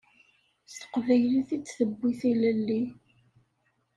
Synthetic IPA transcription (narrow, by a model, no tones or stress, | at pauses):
st̪ə̥qvæjliθit͡sːθəbːiθiləlːi